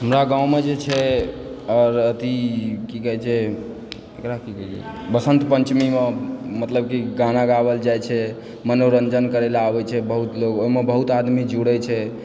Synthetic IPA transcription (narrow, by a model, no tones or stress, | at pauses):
ɦəmɾaɡãũmed͡ʒet͡ʃʰɛ | ɔɾət̪ikikəɦɛt͡ʃʰɛ | ekɾakikət͡ʃʰɛ̰ | bəsə̃nt̪pənt͡ʃmimemət̪ləbkiɡanaɡabəld͡ʒajt͡ʃʰɛ | mənoɾənd͡ʒənkəɾelaabɛt͡ʃʰɛbəɦut̪loɡoimebəɦut̪ad̪mid͡ʒuɽət͡ʃʰɛ